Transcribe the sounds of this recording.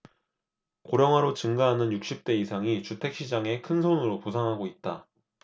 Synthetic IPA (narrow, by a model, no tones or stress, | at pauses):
koɾjʌŋɦwaɾot͡ɕɯŋɡaɦanɯnjuk̚ɕ͈ip̚t͈e̞isʰaŋit͡ɕutʰe̞k̚ɕ͈id͡ʑaŋe̞kʰɯnsʰonɯɾoposʰaŋɦaɡoit̚t͈a